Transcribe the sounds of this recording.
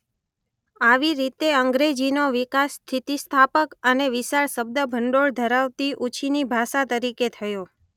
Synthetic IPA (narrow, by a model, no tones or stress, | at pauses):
aʋiɾit̪eəŋɡɾed͡ʒinoʋikast̪ʰit̪ist̪ʰapəkəneʋɪʃaɾsəb̚d̪əbʱəɳɖoɭd̪ʱəɾaʋt̪iʔut͡ʃʰinibʱaʃat̪əɾiket̪ʰəjo